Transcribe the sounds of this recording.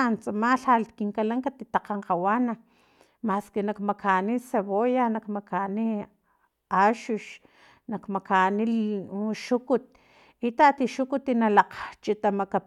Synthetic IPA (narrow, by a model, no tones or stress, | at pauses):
nt͡samaɬalkiŋkalaŋkat̪it̪aqaɴqawana | maskenakmakʰaniseβojanakmakani | aʃuʃ | nakmakanilʃukut̪̚ | it̪at̪iʃukut̪inalaqt͡ʃit̪amaka